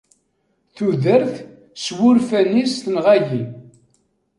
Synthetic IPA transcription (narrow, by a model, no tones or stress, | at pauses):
θuðəɾθ | swʊɾfænisθənʁæʝi